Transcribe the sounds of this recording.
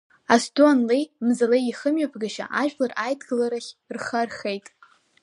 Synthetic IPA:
astoanlejmzalejiχəmɥapʰɡaʃa̰ʔaʒᶣlarajdɡalaɾaχʲrχarχejtʼ

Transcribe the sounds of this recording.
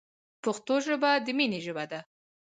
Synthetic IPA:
pəxt̪oʒəbad̪əmineʒəbad̪a

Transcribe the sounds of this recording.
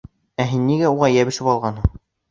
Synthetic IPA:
æɦinːiɡæuʁɑjæβɘ̆ʃɘpɑlˠʁɑnɦɤɴ

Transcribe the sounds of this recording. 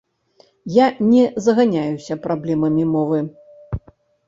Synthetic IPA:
janʲɛzɐɣanʲajusʲɐpɾʔablʲɛmɐmʲimɔvɨ

